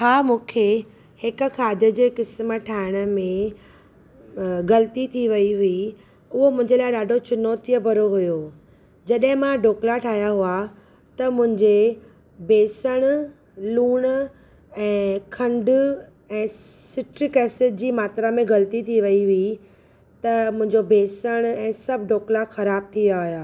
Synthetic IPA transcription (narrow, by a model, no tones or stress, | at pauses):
haːmũːkʰe | hɪk̆kʰaːd̪ʱjəd͡ʑeːkɪsməʈʰaːɪɽ̃ə̆mẽ | ɣɐlət̪it̪ʰiʋɐiɦʊi | ʊɦomʊ̃ɦɪ̃ɲd͡ʑelaːɪɗaːɖʱot͡ɕʊnoːt̪ijəbʱɐɾoɦʊjoː | d͡ʑɐɗɦɪ̃mãɖoːklaʈʰaːɦjaɦʊa | t̪ɐmʊ̃ɦɪ̃ɲd͡ʑe | beːsəɽ̃ | luːɽ̃ | ɛ̃ːkʰɐ̃ɳɖ | ɛ̃ːsɪʈkɛːsɪʈ̚d͡ʑiːmaːt̪ɾamẽɡɐlt̪it̪ʰiʋɐiɦʊi | t̪ɐmʊ̃ɦɪ̃ɲd͡ʑobeːsəɽ̃ɛ̃ːsɐbʱɖoːklaxɐɾaːb̚t̪ʰiaɦjaː